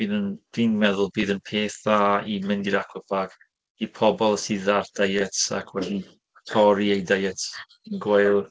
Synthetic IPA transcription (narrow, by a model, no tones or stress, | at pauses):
b̥ɨnənd̥inmɛðʊlˠbiːðənpʰeːθaimɪndiɾakʰwəpʰaɡ̥ | ipʰɔbɔlˠsiðard̥ajəta̰kʰwɛdi | tʰɔɾiejdajɛt | inɡwejlˠ